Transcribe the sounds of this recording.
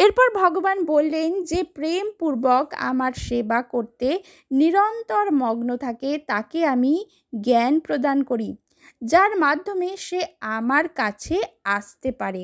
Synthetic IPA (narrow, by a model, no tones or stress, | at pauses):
eɾpɔɾbʱɔɡobanbolːend͡ʑepɾempuɾboka̰maɾʃebakoɾt̪e | niɾɔnt̪oɾmɔɡnot̪ʰaket̪akeami | ɡɛnpɾod̪ankoɾi | d͡ʑaɾmad̪ʱːomeʃeamaɾkat͡ɕʰeaʃt̪epaɾe